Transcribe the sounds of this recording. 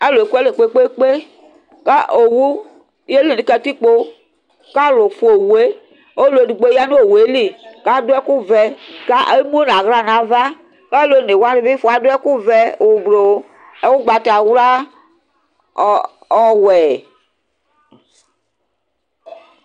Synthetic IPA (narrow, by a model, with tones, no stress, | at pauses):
e˦lo˨e˨ku˦ɛ˦le˨k͡pe˦k͡pe˦k͡pe˦ | ka˦ʔo˨wu˦ | je˦li˨nĩ˨kɛ˨ti˦k͡po˦ | ka˦˨lo˨fu˨o˨wu˨e˦ | o˦le˨du˨ɡ͡bo˦ja˦nu˦o˨we˨˦li˦ka˦do˦ɛ˦ku˦vɛ˨ka˦ʔe˦mu˦o˦na˨ɣɾa˨nã˨va˦ | kɛ˦lo˦ne˨wa˦di˨bi˦fo˨a˨do˦ɛ˦ku˦vɛ˦˨u˨blo˨˦ | e˦wu˦ɡ͡ba˨ta˨wu˦la˦˨ | ɔ˨wɛ˨